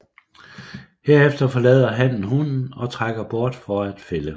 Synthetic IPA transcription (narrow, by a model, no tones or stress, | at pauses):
he̝ɐefd̥ɐfɒ̽lɛ̰ːðˠɐɦæn̰n̩ɦunn̩ɒ̽t͡sʰʁaɡ̥ɐb̥ɒɐ̰d̥fɒæd̥felə